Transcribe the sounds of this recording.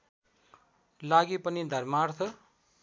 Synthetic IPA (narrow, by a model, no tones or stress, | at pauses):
laɡipʌnid̪ʱʌrmart̪ʰʌ